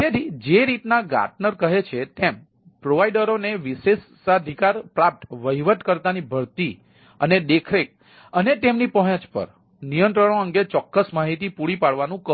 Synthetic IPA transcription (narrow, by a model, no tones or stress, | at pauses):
t̪ed̪id͡ʒeɾit̪naɡa̰ʈnəɾkəɦet͡ʃʰet̪em | pɾoʋajɖəɾoneʋises | ad̪ʱikaɾpɾap̚ʈʋəɦiʋət̪kəɾt̪anibʱəɾt̪i | əned̪ekʰɾek̚ | ənet̪emnipəɦə̃t͡ʃpə̰ɾ | nijə̃nt̪ɾəɳ̃oəŋɡet͡ʃɔkːəsmaɦit̪ipuɽipaɽʋanũkə